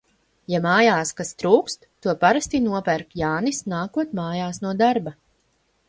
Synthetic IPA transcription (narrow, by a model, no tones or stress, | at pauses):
jamaːjaːskast̪ɾuːkst̪ːuɔpaɾast̪inuɔpæɾkjaːnisnaːkuɔt̪maːjaːsnuɔd̪aɾba